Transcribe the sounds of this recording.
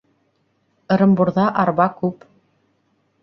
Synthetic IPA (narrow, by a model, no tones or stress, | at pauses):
ɤ̆ɾɤ̆mbuɾðɑʔɑɾβɑkʉp